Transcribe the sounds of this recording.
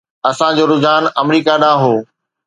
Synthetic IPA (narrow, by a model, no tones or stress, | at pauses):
ɐsãd͡ʑoːɾʊzaːnɐmɾiːkaɗãːɦoː